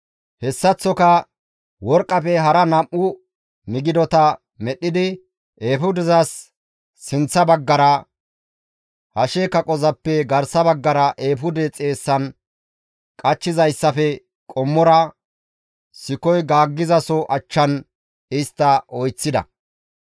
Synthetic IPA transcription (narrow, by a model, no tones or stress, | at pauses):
hɛsːɐt͡sːɔkɐ | wɔɾkʼːɐfɛɦɐɾɐnɐmʔːʊ | mɪɡɪd̪ɔt̪ɐ | mɛɗːɪd̪ɪ | ʔeːfʊd̪ɪzɐsː | ɪnt͡sːɐbɐɡːɐɾɐ | hɐʃekɐkʼɔzɐpːɛɡɐɾsɐbɐɡːɐɾɐʔeːfʊd̪ɛt͡sʼe̞ːsːɐn | kʼɐt͡ʃːɪzɐjsːɐfɛ | kʼɔmːɔɾɐ | sɪkɔjɡaːɡːɪzɐsɔʔɐt͡ʃːɐn | ɪst̪ːɐʔɔjt͡sːɪd̪ɐ̰